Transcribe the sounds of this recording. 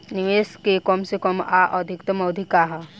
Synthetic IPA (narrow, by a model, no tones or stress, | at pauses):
niʋeːskekɔmsekɔmaʔɔd̪ʱikt̪ɐmɐwd̪ʱikaɦɐ